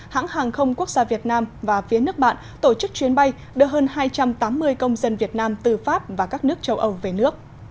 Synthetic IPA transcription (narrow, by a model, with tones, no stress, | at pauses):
ha̰ː˧˥ŋhaː˨˩ŋxə˧wŋ͡mku˦˥ək̚zaː˧vi˨˩ət̚naː˧mvaː˨˩fi˨˦ənɨ˦˥ək̚ɓa̰ː˧˨nt̪o˧˩t͡ɕɨ˦˥k̚t͡ɕwi˨˦ənɓa˧j | ɗɨ˨˧˩həː˧nhaː˧jt͡ɕa˧mt̪aː˨˦mːɨ˧əjkə˧wŋ͡mzə˧nvi˨˩ət̚naː˧mt̪ɨ˨˩faː˦˥p̚vaː˨˩kaː˦˥k̚nɨ˦˥ək̚t͡ɕə˧wʔə˧wve˨˩nɨ˦˥ək̚